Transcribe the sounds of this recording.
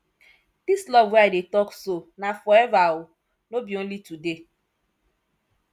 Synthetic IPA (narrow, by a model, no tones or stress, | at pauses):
d̥islɔvadetɔksonafɔevawʊ | nobjon̩litude